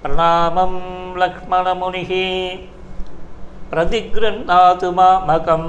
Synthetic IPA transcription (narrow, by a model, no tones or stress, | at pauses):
pɾɐnaːmɐmlɐkʂmɐnɐmuniɦi | pɾɐt̪iɡɾɐnnaːt̪umaːmɐkɐm